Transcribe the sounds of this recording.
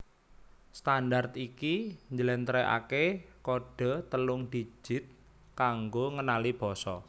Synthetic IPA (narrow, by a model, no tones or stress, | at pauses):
st̪andart̪ikiɲd͡ʒəlɛnt̪ɾɛa̰kekoɖ̥ɔ̤t̪əlʊŋd̪̥i̥d͡ʒ̥ʒ̥ɪ̤t̪̚ | kaŋɡoŋənalib̥ɔ̤sɔ